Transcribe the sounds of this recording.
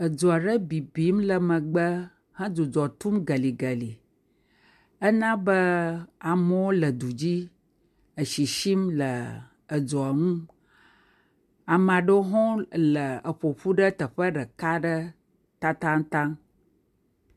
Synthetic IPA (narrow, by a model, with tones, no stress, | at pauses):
ə˨d͡ʒɔ˨a˨ɖə˦bi˨bi˨˦mlə˨mə̃˨ɡ͡bə˦ | hə̃˦d͡zu˨d͡ʒɔ˨t̪u˦mɡə˨li˨ɡə˨li˨ | ə˦nã˦bə˦a˨mə˦wo˦lə˨d̪u˨d͡ʑi˦ | ə˨ʃi˨ʃi˦mlə˨ | ə˨d͡ʒɔ˨a˨ŋũ˦ | a˨m˨ã˨ɖə˦ɦɔ̃˦lə˨ə˨ɸo˨ɸu˦ɖə˦t̪ə˨ɸə˦ɖə˨ka˦ɖə˦ | t̪a˦t̪ã˦ŋt̪ã˦ŋ